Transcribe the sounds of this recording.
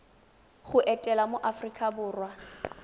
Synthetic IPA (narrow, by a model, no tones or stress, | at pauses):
ɣʊʔɛtʼɛlamoʔafrikʼabʊːrwa